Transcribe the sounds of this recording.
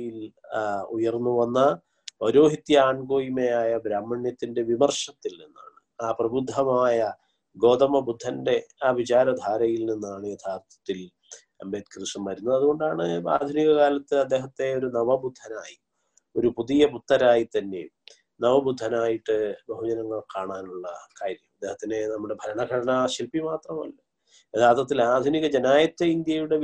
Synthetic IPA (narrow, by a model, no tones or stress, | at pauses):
jil | ujɐrnːuʋɐnːɐ | pɐɾo̞ːɦit̪jɐaːɳɡo̞ːjimejaːjɐbɾaːmːɐɳjɐt̪ːinde̞ʋimɐrʂɐt̪ːilninːa̰ːɳɨ | aːprɐbud̪ʱːɐmaːjɐ | ɡo̞ːd̪ɐmɐbud̪ʱːɐnde̞aːʋit͡ɕaːɾɐd̪ʱaːɾɐjilninːaːɳɨjed̪ʱʰaːrt̪ʰɐ̥t̪ːil | ɐmbeːt̪krɨʂɐmʋɐɾunːɐðɐðuɣo̞ɳɖaːɳɨa̰ːd̪ʱuniɣɐkaːlɐt̪ːɨɐd̪ːe̞ːɦɐt̪ːe̞o̞ɾunɐʋɐbud̪ʱːɐnaːji | o̞ɾupuðijɐbut̪ːɐɾaːjit̪ɐnːe̞̰ | nɐʋɐbud̪ʱːɐnaːjiʈːɨbɐɦud͡ʑɐnɐŋːɐɭkaːɳaːnuɭːɐkaːɾjɐmɐd̪ːe̞ːhɐt̪ːine̞nɐmːuɽe̞bʱɐɾɐɳɐɡʱɐɽɐnɐɕilpimaːt̪rɐmɐ̰lːɐ | jed̪ʱaːrt̪ʰːɐt̪ːilaːd̪ʱuniɣɐd͡ʑɐnaːjɐt̪ːeind̪jɐjuɽe̞